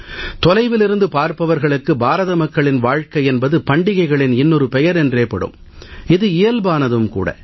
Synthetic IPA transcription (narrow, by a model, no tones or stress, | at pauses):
t̪ɔlɐɪʋɪlɪɾɯnd̪ɯpaːɾpɐʋɐɾɣɐɭɯkːɯbaːɾɐðɐmɐkːɐɭɪnʋaːɻkɐɪɛnbɐðɯpɐɳɖɪɣɐɪɣɐɭɪnɪnːɔɾɯpɛjɐɾɛndreːpːɐɽɯ̰m | ɪðɯɪjɐlbaːnɐðɯmkṵːɽɐ̰